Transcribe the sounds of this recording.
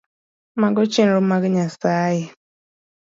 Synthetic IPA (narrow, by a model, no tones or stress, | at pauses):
maɡɔt͡ʃenɾʊmaɡɪɲasaːjɪ